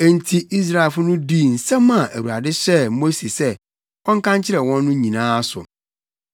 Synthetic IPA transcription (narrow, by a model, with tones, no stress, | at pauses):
ɛ˨n̩˨tʰi˨i˦s̬ɾa˦˨fʊ˦nʊ̃˦di˦˨n̩˨sɛ̃˦mːã˨ʔæ˨wu˨ɾa˨dɪ˦ɕɛ˦mo˦se˨sɛ˦ | kʰɔ̃˦ŋkʰã˦ɲt͡ɕʰɪ˦ɾɛ˨wɔ̃˦nːʊ̃˦ɲĩ˨nãː˦sʊ̰˨